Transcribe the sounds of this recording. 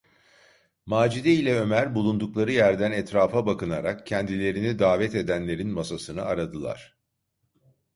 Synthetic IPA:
maːd͡ʒid̪ɛilʲɛø̞mæɾbulˠund̪uklˠaɾɯjæɾd̪ænɛt̪ɾaːfabakɯnaɾakcʰɛnd̪ilʲe̞ɾinid̪aːvɛt̪e̞d̪ænlʲe̞ɾinmasasɯnɯaɾad̪ɯlˠa̰ɾ̥

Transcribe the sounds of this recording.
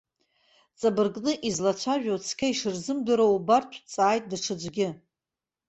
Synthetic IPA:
t͡sʼabɨrɡʼnɨʔizlat͡ɕʷʰaʒᶣowt͡sʰkʲʰaiʂɨrzɨmdɨɾoubartʷʰt͡sʼaːjt̚ʼdaʈ͡ʂʰɨd͡ʒʷɡʲɪ

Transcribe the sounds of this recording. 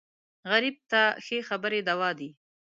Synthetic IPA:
ɣaɾib̚t̪axexabəɾed̪awɑd̪i

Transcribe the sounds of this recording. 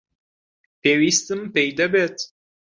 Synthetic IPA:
pewist̪ɨmpejd̪ɐbet̪

